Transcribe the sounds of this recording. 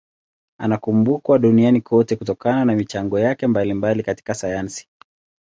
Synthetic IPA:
anakumbukwaɗunianikʰɔtɛkutɔkananamit͡ʃaŋɡɔjakɛmbalimbalikati̥kasajansi̥

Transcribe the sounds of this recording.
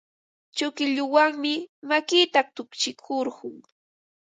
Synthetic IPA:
t͡ʃʊkɪʎʊwaŋmɪmakit̪at̪ʊkt͡ʃɪkʰʊɾɢʊŋ

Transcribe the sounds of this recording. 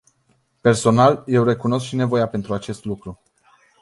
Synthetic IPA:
pe̞rso̞nalje̞wre̞kuno̞s̬kʃine̞vo̞jape̞nt̪ɾuat͡ʃe̞st̪lukɾu

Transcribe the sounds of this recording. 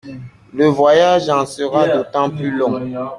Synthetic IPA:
ləvwajaʒɑ̃səʁad̪ot̪ɑ̃plylɔ̃

